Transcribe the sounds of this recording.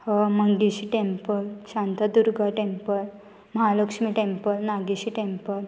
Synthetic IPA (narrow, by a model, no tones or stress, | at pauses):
həməŋɡiɕiʈempəlɕant̪ad̪uɾɡaʈempəl | məɦaləkʂmiʈempəlnaɡiɕiʈẽmpəl